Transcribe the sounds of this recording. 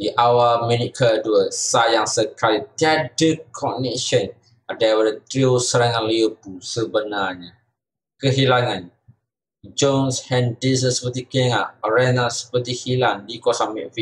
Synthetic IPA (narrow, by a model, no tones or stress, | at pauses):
diʔawaminikʰəlduəsajaŋsəkalit̪iadəkʰɔnɛʃən | adawadat̪ɾiosəɾaŋãnliəbusəbənarɲa | kəɦilaŋan | d͡ʒonshɛndis̬ənsə̥pət̪ikeŋaʔɾɛnasə̥pət̪ihilaŋdikɔsamɛʔfi